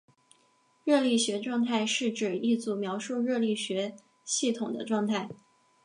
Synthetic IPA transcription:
ɻɤ˥˧li˥˩ɕɥɛ˧˥ʈ͡ʂwɑ˥˧ŋt̪ʰa˥˧ɪʂɻ̩˥˩ʈ͡ʂɻ̩˨˩i˥˩t͡su˧˩mjɑ˧˥ʊʂu˥˧ɻɤ˥˧li˥˩ɕɥɛ˧˥ | ɕi˥˩t̪ʰʊ˨˩ŋd̪ə̰˦ʈ͡ʂwɑ˥˧ŋt̪ʰa˥˩ɪ

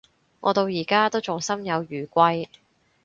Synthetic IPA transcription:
ŋʔɔ̰ː˨˧t̪o˧wjiː˨˩kaː˥t̪o˥wt͡sʊ˨ŋsɐ˥mjɐ˨˧wjyː˨˩kʷɐ˧j

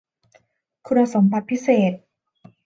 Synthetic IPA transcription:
kʰu˧nːa˧so˨˩˦mbʰa˧t̪̚pʰi˦˥seː˨˩t̪̚

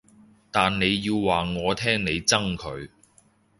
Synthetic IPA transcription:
t̪aː˨nne˨˧jːiː˧wwaː˨˩ŋɔː˨˧t̪ʰɛː˥ŋne˨˧jt͡sɐ˥ŋkʰɵ˨˧ɥ

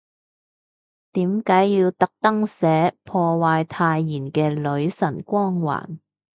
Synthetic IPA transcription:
t̪iː˨˥mkaː˨˥jːiː˧wt̪ɐ˨k̚t̪ɐ˥ŋsɛː˨˥pʰɔː˧waː˧jt̪ʰaː˧jːiː˨˩nkɛː˧lɵ˨˧˥ɥsɐ˨˩nkʷɔː˥ŋwa̰ː˨˩n

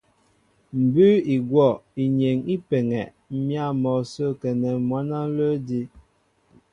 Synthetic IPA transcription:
m̩˨bʉ˦i˨ɡwɔ˦˨i˨ɲe˨ŋi˦pɛ˨ŋɛ˨ʔ̩˦ | mja˦˨mɔ˨so˦kɛ˨nɛ˨mwa˦na˦lə˦di˦

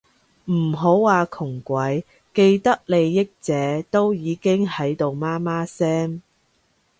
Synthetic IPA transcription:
m̩˨˩ɦo˨˥wːaː˨˧kʰʊ˨˩ŋkʷɐ˨˥j | ke˧jt̪ɐ˥k̚le˨˧jːɪ˥k̚t͡sɛː˨˥t̪o˥wjiː˨˧kɪ˥ŋhɐ˨˥jt̪o˨˧wmaː˥maː˥sɛː˥ŋ

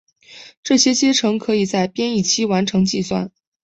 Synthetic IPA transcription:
ʈ͡ʂɤ˥˩ɕjɛ˥t͡ɕjɛ˥ʈ͡ʂʰɤ˧˥ŋkʰɤ˧˥i˨˩t͡sa˥˩ɪpjɛ˥ni˥˩t͡ɕʰi˥wa˧˥nʈ͡ʂʰɤ˧˥ŋt͡ɕi˥˧swa̰˥˩n

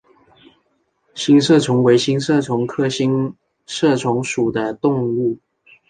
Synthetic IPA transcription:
ɕi˥ŋʂɤ˥˩ʈ͡ʂʰʊ˧˥ŋwe˧˥ɪɕi˥ŋʂɤ˥˩ʈ͡ʂʰʊ˧˥ŋkʰɤ˥ɕi˥ŋ | ʂɤ˥˩ʈ͡ʂʰʊ˧˥ŋʂu˨˩d̪ə˦t̪ʊ˥˧ŋu˥˩

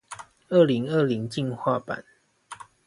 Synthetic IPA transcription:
ə˥˩li˨˦ŋə˥˨li˨˦ŋt͡ɕi˥˨nxwa˥˨pa̰˨˩˦n

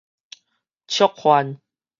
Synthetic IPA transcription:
t͡ɕʰjɔ˦k̚hwa˧˦n

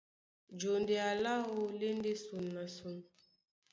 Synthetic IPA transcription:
d͡ʒo˨nde˨a˨la˦wo˦le˦n˦de˦su˨nːa˨su˨˦n

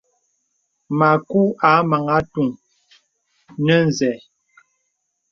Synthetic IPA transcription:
ma˨ku˦a˨˦ma˨ŋa˦tu˨ŋ | nə˦n˨zɛ˨

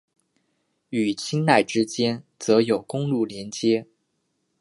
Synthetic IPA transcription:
y˨˩t͡ɕʰi˥ŋna˥˩ɪʈ͡ʂɻ̩˥t͡ɕjɛ˥nt͡sɤ˧˥jo˨˩ʊkʊ˥ŋlu˥˩ljɛ˧˥nt͡ɕjɛ˥

